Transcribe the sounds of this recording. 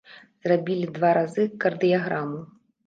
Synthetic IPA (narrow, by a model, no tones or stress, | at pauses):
zrabʲilʲid̪vaɾazɨkɐrd̪ɨjaɣɾamu